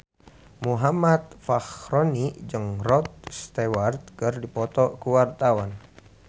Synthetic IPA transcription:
muɦamat̪̚faxɾɔnid͡ʒɨŋrɔt̪̚st̪ɛwart̪̚kɨrdipɔt̪ɔkuwart̪awan

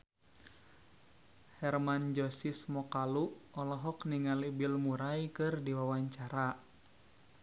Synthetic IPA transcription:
hɛrmand͡ʒɔsismɔkaluʔɔlɔɦɔkniŋalibilmuɾajkɨrdiwawaɲt͡ʃaɾa

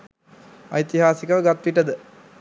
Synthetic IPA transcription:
ɐ̰jt̪iɦaːsikɐʋɡɐt̪ːʋiʈːɐd̪ɨ

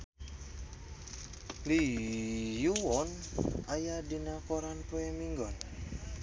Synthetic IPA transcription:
li | juwɔnajadinakoɾanpoɛmiŋɡɔn

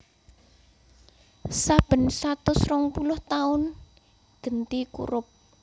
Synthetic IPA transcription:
sab̥ə̤nsat̪ʊsrɔŋpulʊht̪aʊn | ɡ̥ənt̪ikṵɾʊp̚

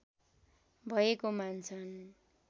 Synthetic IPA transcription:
bʱʌekomant͡sʰʌn

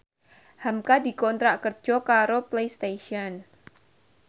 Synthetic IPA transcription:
hamkadi̤kɔnt̪ɾaʔkər̥d͡ʒ̥ɔ̤kaɾoplejst̪eʃiɔn

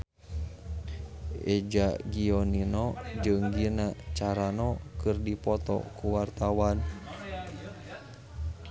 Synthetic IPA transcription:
ʔɛd͡ʒaɡiɔninɔd͡ʒɨŋɡinat͡ʃaɾanɔkɨrdipɔt̪ɔ̰kuwart̪awan

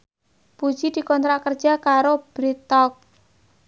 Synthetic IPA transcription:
pu̥d͡ʒid̪̥i̤kɔnt̪ɾakərd̥d͡ʒ̥a̤kaɾob̥ɾit̪ɔk̚

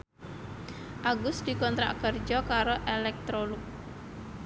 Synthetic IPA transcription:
ʔaɡʊsd̪̥i̤kɔnt̪ɾa̰ʔkərd͡ʒɔkaɾoʔelɛk̚t̪ɾolʊk̚

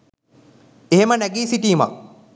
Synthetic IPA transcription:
eɦemənæɡiːsiʈiːma̰

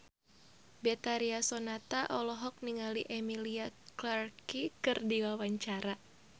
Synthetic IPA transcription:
bɛt̪aɾiasɔnat̪aʔɔlɔɦɔk̚niŋaliʔɛmiliaklarkikɨrdiwawaɲt͡ʃaɾa

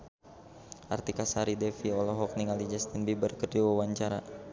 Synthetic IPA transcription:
ʔa̰rt̪ikasaɾidɛfiɔlɔɦɔk̚niŋalid͡ʒast̪inbibərkərd͡ʒawawaɲt͡ʃaɾa

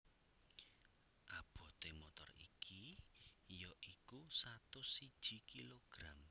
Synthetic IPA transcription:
ʔab̥ɔ̤t̪emot̪ɔ̰rḭkʰi | jɔʔikusat̪ʊsid̥ʒ̥i̤kiloɡ̥ɾam

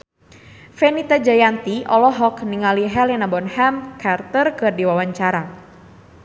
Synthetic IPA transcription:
fɛnit̪ad͡ʒajant̪iʔɔlɔɦɔkniŋaliɦɛlɛnabɔnhamkart̪ərkɨrdiwawaɲt͡ʃaɾa

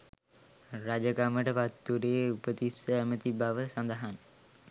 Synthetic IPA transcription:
ɾad͡ʒəkaməʈəpat̪ːuɾeːupət̪isəæmət̪ibaʋəsand̪əɦan

